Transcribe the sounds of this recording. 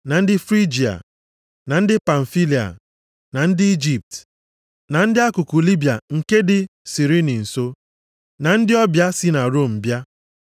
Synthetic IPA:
na˨n̩˦dɪ˦fɾi˦d͡ʒi˨a̰˨ | na˨n̩˦dɪ˦pa˨ɱ̩˨fi˦li˨a̰˨ | na˨n̩˦dɪ˦i˦d͡ʒi˨p̚t | na˨n̩˦dɪ˦a˦kʊ˨ku˨li˦bja˨ŋ̩˨ke˦dɪ˨si˨ɾi˦ni˨n̩˨so˦ | na˨n̩˦dɪ˦ɔ˦bja˦sɪ˦na˨ɾo˦˨m̩˨bja˦

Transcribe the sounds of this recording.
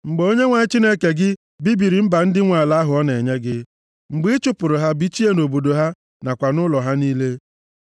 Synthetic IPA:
ŋ͡m̩˨ɡ͡bo˦ɲe˦ŋʷa˨ɲɪ˦t͡ʃi˦ne˦ke˨ɡɪ˦ | bi˦bi˨ɾi˨m̩˦ba˨n̩˦dɪ˦ŋʷa˨la˦ɦʊ˨ɔ˦ne˨ɲe˦ɡɪ˦ | ŋ͡m̩˨ɡ͡bi˦ɪ˦t͡ʃʊ˦pʊ˨ɾʊ˨ɦa˦bi˦t͡ʃi˦e˦no˨bo˨do˨ɦa˦ | na˨kʷa˨nʊ˦lɔ˨ɦa˦niː˦le˦

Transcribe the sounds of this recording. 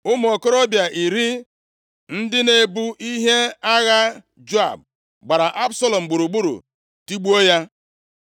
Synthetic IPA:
ʊ˦m˨ɔ˨ko˦ɾɔ˦bja˨ʔi˨ɾi˦ | n̩˦dɪ˦ne˦bu˦ʔi˦ɦe˦a˦ɣa˦ | d͡ʒo˦a̰˨b̚ | ɡ͡ba˨ɾa˨ʔa˦bsɔ˦lɔ˨m̩˨ɡ͡bu˨ɾu˨ɡ͡bu˦ɾṵ˨ | ti˦ɡ͡bu˦o˦ja˦

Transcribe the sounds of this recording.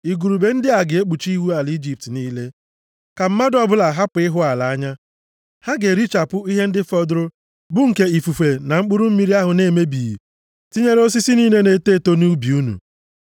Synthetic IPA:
i˨ɡu˨ɾu˨be˨n̩˦dɪ˦a˨ɡɪ˨e˦k͡pu˨t͡ʃi˦wu˦a˨li˦d͡ʒi˨p̚tniː˦le˦ | ka˨m̩˦ma˦dɔ˦bʊ˦la˨ɦa˦pʊ˨ɪ˦ɦʊ˦a˨la˨a˦ɲa˦ | ha˦ɡe˨ɾi˦t͡ʃa˨pʊ˦i˦ɦe˦n̩˦dɪ˦fɔ˦dɾʊ˦ | bʊ˦ŋ̩˨ke˦i˨fu˨fe˨na˨ŋ͡m̩˦k͡pʊ˦ɾu˦m̩˦mi˦ɾi˦a˦ɦʊ˨ne˦˨me˦bi˨ji˨ | ti˦ɲe˦ɾe˦o˦s̬i˦si˦niː˦ne˦ne˨teː˦˨to˦nu˦bi˨u˦nṵ˨

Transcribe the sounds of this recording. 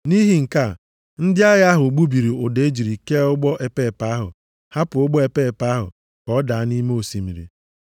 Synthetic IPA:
ni˦ɦi˨ŋ̩˨ka˦˨ | n̩˦dɪ˦a˦ɣa˦ɦʊ˨ɡ͡bu˦bi˨ɾi˨ʊ˨de˦d͡ʒi˨ɾi˨ke˦ʊ˦ɡ͡bɔ˦ʔe˨pe˦˨pa˨˦a˦ɦʊ̰˨ | ha˦pʊ˨ʊ˦ɡ͡bɔ˦e˨pe˦e˨pa˦ɦʊ̰˨ | kɔ˦da˨a˦ni˦me˦o˨si˨mḭ˨ɾḭ˨

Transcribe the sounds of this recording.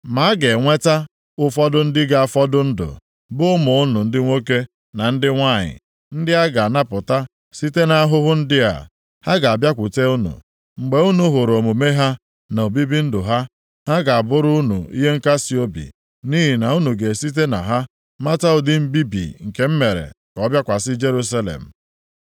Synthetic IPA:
ma˨˦a˦ɡe˨ŋʷe˦ta˦ | ʊ˦fɔ˦dʊ˦n̩˦dɪ˦ɡa˦a˨fɔ˦dʊ˦n̩˦dʊ̰˨ | bʊ˦ʊ˦mʊ˨ʊ˦nʊ˨n̩˦dɪ˦ŋʷo˦ke˦ | na˨n̩˦dɪ˦ŋʷa˦˨ɲɪ̰˨ | n̩˦dɪ˦a˦ɡa˨a˨na˦pʊ˨ta˦ | si˦te˦na˦a˦ɦʊ˦ɦʊ˦n̩˦dɪ˦ɦa̰˨ | ha˦ɡa˨a˨bja˦kʷʊ˨te˦u˦nṵ˨ | ŋ͡m̩˨ɡ͡be˨u˦nu˦ɦʊ˨ɾo˨mu˨me˦ɦa˦ | no˨o˨bi˦bi˦n̩˦dʊ˨ɦa˦ | ha˦ɡa˨a˨bʊ˦ɾʊ˦ʊ˦nṵ˨ḭ˦ɦe˦ŋ̩˦ka˦si˦o˦bḭ˨ | ni˦ɦi˨na˨u˦nu˨ɡe˨si˦t̬e˦na̰˨ɦa˦ | ma˦ta˦ʊ˦˨dɪ˦m̩˦bi˦bḭ˨ŋ̩˨ke˨m̩˦me˨ɾḛ˨ | kɔ˦bja˦kʷa˨sɪ˦d͡ʒe˦ɾu˦s̬a˦lḛ˨m̩˨

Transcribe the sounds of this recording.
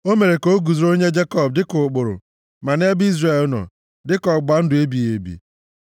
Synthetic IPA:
o˦me˨ɾe˨ko˦ɡu˨zɾo˦ɲe˦d͡ʒe˦kɔ˦˨b̚dɪ˦kʊ˨k͡pʊ˨ɾʊ̰˨ | ma˨n˦e˦bi˦zre˨lnɔ̰˨ | dɪ˦kɔ˨ɡ͡ba˨n̩˦dʊ˨e˦bi˨e˨bḭ˨

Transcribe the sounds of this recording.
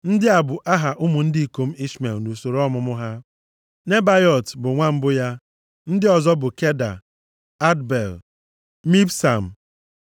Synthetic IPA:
n̩˦dɪ˦a˨bʊ˨ʔa˦ɦa˨ʔʊ˦mʊ˨n̩˦di˦˨ko˦m̩˦i˦ʃme˨lno˨so˨ɾɔ˦mʊ˨mʊ˦ɦa˦ | ne˦ba˦jɔ˨tbʊ˨ŋʷa˦m̩˦bʊ˦ja˦ | n̩˦dɪ˦ɔ˨zɔ˦bʊ˨ke˦da̰˨ | a˦dbe˨l | mi˦bsa˨m̩˨

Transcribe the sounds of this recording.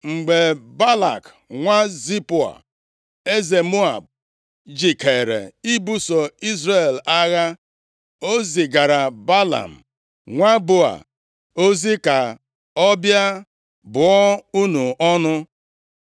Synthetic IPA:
ŋ͡m̩˨ɡ͡be˨ba˦la̰˨k | ŋʷa˦zi˦pʊ˨a̰˨ | e˦ze˨mu˦a˨b̚ | d͡ʒi˨ke˨ɾḛ˨i˦bu˦sɔ˨i˦zɾe˦˨la˦ɣa˦ | o˦zi˨ɡa˨ɾa˨ba˦la̰˨m̩˨ | ŋʷa˦bo˦a̰˨ | o˦zi˦ka˨ | ɔ˦bja˦ | bʊ˨ɔ˦u˦nu˨ɔ˦nʊ˦

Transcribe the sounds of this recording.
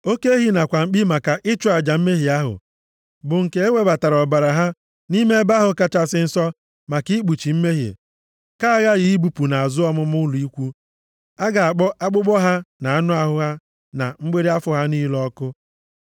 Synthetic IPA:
o˦ke˦e˦ɦi˦na˨kʷa˨ŋ͡m̩˦k͡pi˦ma˨ka˨ʔɪ˦t͡ʃa˨d͡ʒa˨m̩˦me˦ɦi˨a˦ɦʊ̰˨ | bʊ˨ŋ̩˨ke˨˦e˦wʷe˦ba˨ta˨ɾɔ˨ba˨ɾa˨ɦa˦ | ni˦me˦ba˦ɦʊ˨ka˦t͡ʃa˦sɪ˦n̩˦sɔ˦ | ma˨ki˦k͡pu˨t͡ʃi˨m̩˦me˦ɦḛ˨ | ka˦a˦ɣa˦ɣɪ˨i˦bu˨pu˨na˨a˨zʊ˦ɔ˦mʊ˦mʊ˦ʊ˦lu˨i˦kʷu˦ | a˦ɡa˨a˨k͡pɔ˦ʔa˦ɡ͡bʊ˦ɡ͡bɔ˦ɦa˦na˨a˦nʊ˦a˦ɦʊ˦ɣa˦ | na˨ŋ͡m̩˦ɡ͡be˦ɾe˦a˦fʊ˦ɦa˦niː˦lɔ˦kʊ˦

